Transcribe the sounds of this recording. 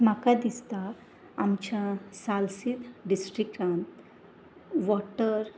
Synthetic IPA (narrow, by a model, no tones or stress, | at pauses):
makad̪ist̪aː | mt͡ɕasalsit̪ɖisʈɾikʈãnt̪ | ʋɔʈəɾ